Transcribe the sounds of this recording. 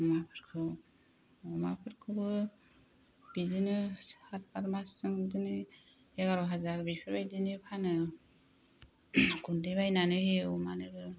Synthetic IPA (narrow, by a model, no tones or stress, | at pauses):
mapʰɯɾkʰɯ | ɔmapʰɯɾkʰɯbɯ | b̥idinɯhat̚paɾmasɯŋbidinɯ | eɡaɾaɦazaɾbipʰɯɾbajdinɯpʰanɯ | ɡundeβajnanɯɦeɔmanɯɡɯ